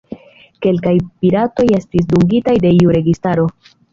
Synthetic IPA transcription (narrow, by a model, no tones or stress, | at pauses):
ke̞lkajpiɾato̞je̞stis̬duŋɡitajde̞iuɾe̞ɡistaɾo̞